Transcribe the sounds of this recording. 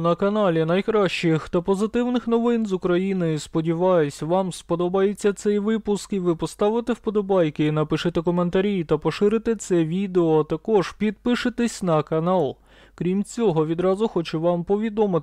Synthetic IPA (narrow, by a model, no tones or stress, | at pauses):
nɐkɐnɑlʲinɐjkɾɑʃt͡ʃɪxt̪ɐpɔzɪt̪ɪwnɪxnɔʋɪnzʊkɾɐjinɔjʊspɔdʲiʋɑjʊsʲʋɑmspɔd̪ɔbɑjet͡sʲːɐt̪sɛjʋɪpʊskiʋɪpɔst̪ɑʋɪt̪ewpɔd̪ɔbɑjkɪinɐpɪʃɪt̪ekɔme̞nt̪ɐɾʲijt̪ɐpɔʃɪɾɪt̪ɪt̪sɛʋʲid̪eɔt̪ɐkɔʒ̥pʲid̪̚pɪʃɪt̪ɪsʲnɐkɐnɑlˠ | kɾʲimt͡sʲɔɦɔʋʲid̪ɾɑzʊxɔt͡ʃʊʋɑmpɔʋʲid̪ɔmɪ